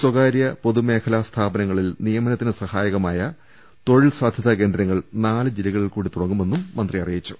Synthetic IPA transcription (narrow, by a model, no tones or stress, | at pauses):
swɐɣaːɾjɐpo̞ðume̞ːkʰɐlɐst̪ʰaːbɐnɐŋːɐɭilnijɐmɐnɐt̪ːinɨsɐhaːjɐɣɐmaːjɐ | t̪o̞ɻilsaːd̪ʱjɐðɐke̞nd̪ɾɐŋːɐɭnaːlɨd͡ʑilɐɣɐɭilkuːɽit̪uɽɐŋːume̞nːumːɐnd̪rijɐrijit͡ɕːu̥